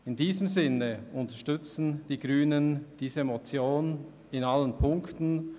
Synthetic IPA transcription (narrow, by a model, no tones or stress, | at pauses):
ɪndiːzəmzɪnəʊntɐʃtʏt͡sn̩d̥iːɡɾyːnənd̥iːzəemot͡sjoːn | ɪnalənpʰʊŋktn̩